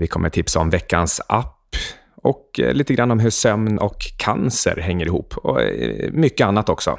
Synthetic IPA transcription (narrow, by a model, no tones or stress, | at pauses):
vɪkʰɔmːəʈʰɪpsaɔmvɛkːansapː | ɔkliːt̪əɡɾanːɔmɦɵʂœmnɔkʰːa̰nsə̰ɾɦɛŋːəɾɪhuːpʰːɔ̰mʏkːəanːat̪ɔksɔ̰